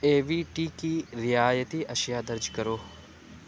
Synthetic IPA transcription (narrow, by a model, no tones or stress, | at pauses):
eːʋiːʈikiɾɪjaːjət̪iʔɐʃjad̪ɐɾd͡ʒkɐɾoː